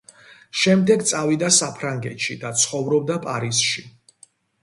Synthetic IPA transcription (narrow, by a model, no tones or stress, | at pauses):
ʃɛmd̪ɛɡt̪sʼavid̪asapʰɾaŋɡɛt̪ʃid̪at̪sʰχɔvɾɔb̚d̪apʼaɾisʃi